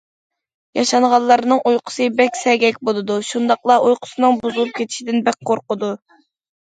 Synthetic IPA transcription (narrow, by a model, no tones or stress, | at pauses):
jɑʃɑɴʁɑllːˠɑɾnɨŋʔujqʰʊ̥sɨbɛkʲsɛɡʲɛkʲbolˠɨd̪uʃund̪ɑqlˠɑʔujqʰʊ̥sɨnɨŋbuzɨlˠup̚kʲʰet̪ʰɪ̥ʃid̪ɪnbɛk̚ʲqʰoɾqʊd̪u